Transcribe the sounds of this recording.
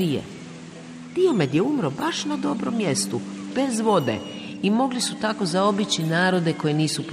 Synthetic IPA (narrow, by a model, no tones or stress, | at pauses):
ijḛ | d̪̥io̞me̞d̪jeumɾo̞baʃnad̪o̞bɾomːje̞st̪ub̥e̞zʋo̞d̪e̞̰ | imo̞ɡlisut̪ako̞zao̞bit͡ɕinaːɾo̞d̪e̞ko̞jeniːsup